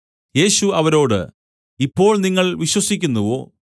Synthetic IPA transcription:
je̞ːɕuɐʋɐɾo̞ːɽɨ̰ | ipːo̞ːɭniŋːɐɭʋiɕwɐsikʲːunːuʋo̞̰ː

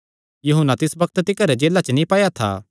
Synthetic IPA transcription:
juɦʊnːat̪ɪsbɐk̚t̪t̪ɪkəɾed͡ʒeːlat͡ʃənĩpaːjat̪ʰa̰ː

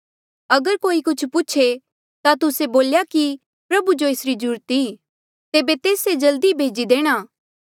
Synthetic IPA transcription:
ɐɡəɾkoːikʊt͡ʃʰpʊːt͡ʃʰe | t̪at̪ʊseboːljaki | pɾɐbud͡ʒoesɾid͡ʒʊɾt̪i | t̪eːbet̪eːsed͡ʒɐld̪ibʱeːd͡ʒid̪eːɽ̃aː

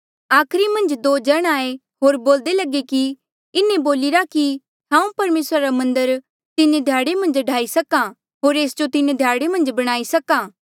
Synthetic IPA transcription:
aːkʰɾimɐ̃nd͡ʒd̪oːd͡ʒɐɽ̃aːe | ɦoːɾboːld̪elɐɡeki | ɪnẽboːlɪɾaki | hãːũpɐɾmeːsɾaɾamɐ̃nd̪əɾ | t̪ɪned̪ʱjaːɽemɐ̃nd͡ʒɖʱaːisɐka | ɦoːɾeːsd͡ʒot̪ɪnẽd̪ʱjaːɽemɐ̃nd͡ʒbɐɽ̃aːisɐkaː

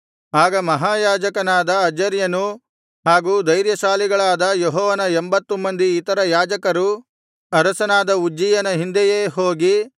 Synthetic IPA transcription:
aːɡɐmɐɦaːjaːd͡ʒɐkɐnaːd̪ɐɐd͡ʒɐɾjɐnu | ɦaːɡuːd̪ɐjɾjɐʃaːliɡɐɭaːd̪ɐjɔɦɔːʋɐnɐembɐt̪ːumɐnd̪iːt̪ɐɾɐjaːd͡ʒɐkɐɾu | ɐɾɐsɐnaːd̪ɐud͡ʒːijɐnɐɦind̪ɛjeːɦoːɡi

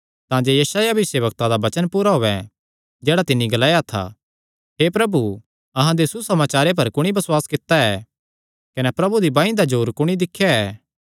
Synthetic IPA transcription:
t̪ãːd͡ʒeːjɐsaːjabɪseːbɐk̚t̪ãd̪abɐt͡ʃənpuːɾaɦoːɛ | d͡ʒɛːɽat̪ɪnːĩɡɐlaːjat̪ʰa̰ | ɦeːpɾɐbu | ɐɦãd̪esusɐmaːt͡ʃaːɾep̬ɐɾkʊɽ̃ibɐswaːskɪt̪ːaɛ | kɐnɛpɾɐbud̪ibãːĩd̪ad͡ʒuːɾkʊɽ̃id̪ɪkʰːjaɛː

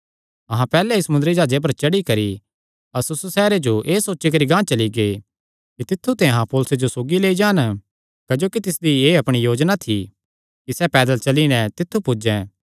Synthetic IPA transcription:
ɐɦãpɛːlɛɪsɐmʊnd̪ɾid͡ʒaːd͡ʒep̬ɐɾt͡ʃɐɽikɐɾi | ɐsʊsusɛːɾed͡ʒoʔeːsoːt͡ʃːik̬ɐɾiɡãːt͡ʃɐliɡeː | kit̪ɪt̪ʰːut̪ɛ̃ɐɦãpoːlʊsed͡ʒosoːɡileːid͡ʒãːn | kɐd͡ʒoːkit̪ɪsd̪ieːɐpɽ̃ijoːd͡ʒnat̪ʰi | kisɛpɛːd̪əlt͡ʃɐlinɛ̃t̪ɪt̪ʰːupʊd͡ʒɛ̃ː

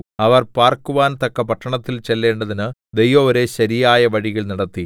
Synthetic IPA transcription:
ɐʋɐrpaːrkuʋaːnt̪ɐkːɐpɐʈːɐɳɐt̪ːilt͡ɕe̞lːe̞ːɳɖɐðinɨd̪e̞jʋɐoɾe̞ɕɐɾijaːjɐʋɐɽiɣɐɭnɐɽɐt̪ːi

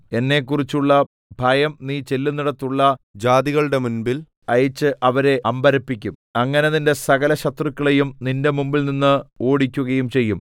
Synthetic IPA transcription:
e̞nːe̞kːurit͡ɕːuɭːɐ | bʱɐjɐmniːt͡ɕe̞lːuniɽɐt̪ːuɭːɐd͡ʑaːd̪iɣɐɭɨɽe̞munbil | ɐjɐt͡ɕːɨʔɐʋɐɾe̞ʔɐmbɐɾɐpːikʲːum | ɐŋːɐne̞ðinde̞sɐɣɐlɐɕɐt̪rɨkːɐɭejumninde̞mumbilninːɨo̞ːɽikʲːuɣɐjumt͡ɕe̞jːum

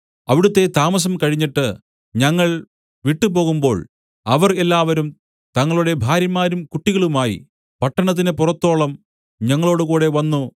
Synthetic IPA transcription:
ɐʋiɽut̪ːe̞t̪aːmɐs̬ɐmkɐɻiɲːiʈːɨ | ɲɐŋːɐɭ | ʋiʈːɨpo̞ːɣumbo̞̰ːɭ | ɐʋɐrelːaːʋɐɾum | t̪ɐŋːɐɭuɽe̞bʱaːɾjɐmːaːɾumkuʈːiɣɐɭumaːjḭ | pɐʈːɐɳɐt̪̬ːinepurɐt̪ːo̞ːɭɐm | ɲɐŋːɐɭo̞ːɽukuːɽe̞ʋɐnːu

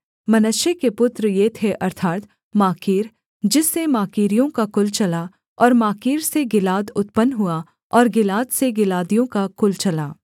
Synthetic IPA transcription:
mɐnəʃjəkepʊt̪ɾjet̪ʰeʔɐɾt̪ʰaːɾt̪ | maːkiːɾ | d͡ʒɪsːemaːkiːɾijõkakʊlt͡ʃɐla | ɔːɾmaːkiːɾseɡɪlaːd̪ʊt̪pənɦʊa | ɔːɾɡɪlaːd̪seɡɪlaːd̪ijõkakʊlt͡ʃɐlaː

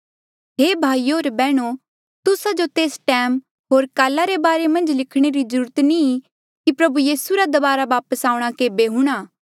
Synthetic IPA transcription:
ɦeːbʱaːioːɾbɛːɽ̃o | t̪ʊsad͡ʒot̪eːsʈɛːm | ɦoːɾkaːlaɾebaːɾemɐ̃nd͡ʒlɪkʰɽ̃eɾizɐɾuːɾət̪nĩ | kipɾɐbujiːsuɾad̪ɐbaːɾaʋaːpəsaːʊɽ̃akeːbeɦũɽ̃aː

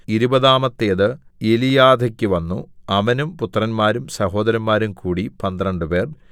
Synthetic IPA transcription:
iɾubɐðaːmɐt̪ːeːðɨelijaːd̪ʱɐkʲːuʋɐnːuɐʋɐnumput̪ːrɐnmaːɾumsɐho̞ːd̪ɐɾɐnmaːɾumkʰuːɽipɐnd̪rɐɳɖɨpe̞ːr

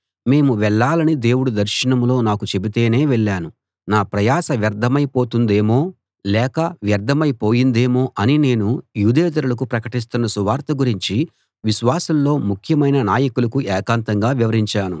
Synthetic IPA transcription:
me̞ːmuʋɛɭːaːlɐnid̪e̞ːwuɽud̪ɐɾʃinɐmlo̞ːnaːkut͡ʃe̞bit̪e̞ːne̞ːʋɛɭːaːnu | naːpɾɐjaːsɐʋjɐɾd̪ʱɐmɐjpo̞ːt̪und̪e̞ːmoː | lɛːkɐʋjɐɾd̪ʱɐmɐjpo̞ːjind̪e̞ːmo̞ːʔɐnine̞ːnujuːd̪eːt̪ɐɾulɐk̬upɾɐkɐʈis̬t̪unːɐsuʋaːɾt̪ɐɡuɾiɲt͡ʃi | ʋiʃʋaːsɐllo̞ːmukʰjɐmɐjnɐnaːjɐkulɐkuʔɛːkaːnt̪ɐŋɡaːʋiʋɐɾiɲt͡ʃaːnṵ

